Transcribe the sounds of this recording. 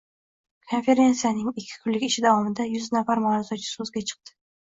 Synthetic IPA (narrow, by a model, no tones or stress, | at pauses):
kʰo̞nfe̞ɾʲe̞nt̪sijanɪŋɪkʲʰːɪ̥kʰʊlːɪkʲɪʃɪd̪avɒmɪd̪ajʊznafaɾmɒɾazɒt͡ʃʰɪ̥sɵzɡʲat͡ʃʰɨ̥q̚t̪ɪ̥